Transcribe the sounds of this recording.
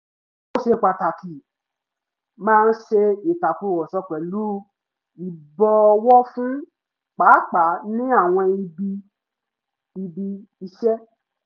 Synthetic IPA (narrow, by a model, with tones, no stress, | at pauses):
o˦ʃe˧˨k͡pa˨ta˨ki˨ | mãː˦˧n̩˦ʃe˧i˨ta˨fu˧˨wɔ˨sɔ˧k͡pɛ˨lu˨˦˧ | i˨bɔ˧ɔ˧wɔ˦fũ˦ | k͡pa˨˦k͡pa˨˦nĩ˦a˦˨w̃ɔ̃˧i˧bi˧ | i˧bi˧i˧ʃɛ˦